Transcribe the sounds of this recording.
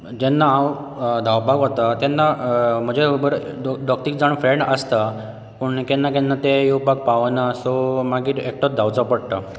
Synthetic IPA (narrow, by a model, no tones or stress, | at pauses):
d͡ʑenːaãwd̪ʱawpaɡɦot̪at̪jenːam̤əd͡ʑebəɾɖɖɔk̚ʈ̪ikd͡zaɳ̃fɾeɳɖəst̪a | pəɳkɛnːakɛnːat̪ejupak̚paʋnasɔmaɡiːɾek̚ʈot̪̚d̪ʱawt͡sapəɽt̪a